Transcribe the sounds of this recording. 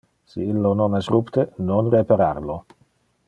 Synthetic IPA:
siilːononɛsrupt̪enonrepaɾarlo

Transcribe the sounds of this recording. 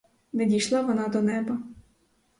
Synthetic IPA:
nɛdʲijʃlˠɑʋɔnɑd̪ɔnɛbɐ

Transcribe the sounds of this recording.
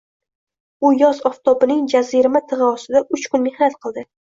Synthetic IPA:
ʊjɒzɒft̪ʰɒpɪnɪŋd͡ʒaziɾɪmat̪ʰɨʁɨɒsɪd̪aʔʊt͡ʃkʊnmehnat̪̚qʰɨlˠd̪ɪ

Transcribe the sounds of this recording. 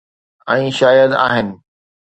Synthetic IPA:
ɛ̃ːʃaːjəd̪a̰ːɦɪnɪ̆

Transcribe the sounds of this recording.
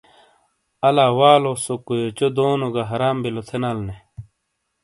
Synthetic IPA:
ɐlaːwaːlosokojot͡ɕod̪oːnoɡaɦɐɾaːmbilot̪ʰenaːlne

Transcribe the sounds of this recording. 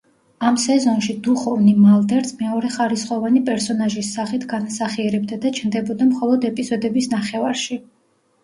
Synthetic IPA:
amsɛzɔnʃid̪uχɔvnimald̪ɛɾsʰmɛɔɾɛχaɾisχɔvanipʼɛɾsɔnaʒisːaχit̪ʰɡanasaχiɛɾɛb̚d̪ad̪at͡ʃʰnd̪ɛbɔd̪amχɔlˠɔd̪ɛpʼizɔd̪ɛbisnaχɛvaɾʃi

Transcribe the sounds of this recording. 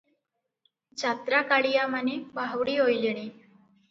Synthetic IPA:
t͡ɕat̪ɾakaɭijamanebaɦʋɽiːɦojleɽ̃i

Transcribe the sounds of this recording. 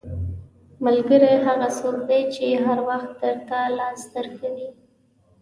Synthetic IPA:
malɡəɾeɦaɣasoɾd̪ajt͡ʃeɦaɾwaxt̪̚d̪əɾt̪alɑst̪əɾxəɽi

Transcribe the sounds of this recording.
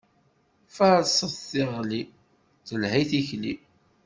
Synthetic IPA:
faɾsˤəðθɪʁli | θəlhiθiçli

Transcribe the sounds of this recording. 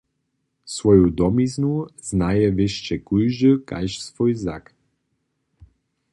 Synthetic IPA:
svɔjud̪ɔmiznuz̥najɛʋɪʃt͡ʃɛkujʒəka̰jʃsvɔjza̰k

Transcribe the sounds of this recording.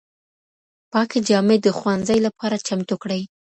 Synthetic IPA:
pɑked͡ʒɑmed̪əxwanzajlapɑɾat͡ʃamt̪ukɽəj

